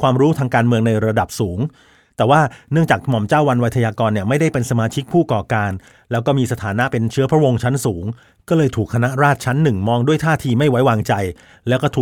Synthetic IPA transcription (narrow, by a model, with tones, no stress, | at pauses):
kʰwaː˧mɾuː˦˥t̪ʰaː˧ŋkaː˧nmɯ˧əŋna˧jɾa˧da˨˩p̚suː˩˦ŋ | t̪ɛː˨˩waː˥˩nɯ˥˩əŋt͡ɕaː˨˩k̚mɔ˨˩mt͡ɕaː˥˩wa˧nwa˥t̪ʰa˧jaː˧kɔː˧nːi˥˩ɐma˥˩jda˥˩jpe˧nsa˧maː˧t͡ɕʰi˦˥k̚pʰuː˥˩kɔː˨˩kaː˧n | lɛː˦˥wkɔː˥˩miː˧sa˧t̪ʰaː˩˦na˦˥pe˧nt͡ɕʰɯ˦˥ɐpʰɾa˦˥wo˧ŋt͡ɕʰa˦˥nsuː˩˦ŋ | kɔː˥˩lɤː˧jt̪ʰuː˨˩k̚ʰa˧na˦˥ɾaː˥˩t̪̚t͡ɕʰa˦˥nːɯ˨˩ŋmɔː˧ŋdu˥˩əjt̪ʰaː˥˩t̪ʰiː˧ma˥˩jwa˦˥jwaː˧ŋt͡ɕa˧j | lɛː˦˥wkɔː˥˩t̪ʰuː˨˩